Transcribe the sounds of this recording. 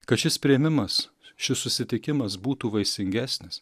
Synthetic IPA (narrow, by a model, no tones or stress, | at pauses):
kɐt̪ʃʲɪspʲɾʲɪɛmʲɪmɐs | ʃʲɪssʊsʲɪt̪ʲɪkʲɪmɐs̬buːt̪uːʋɐɪsʲɪŋʲɡʲæːsʲnʲɪs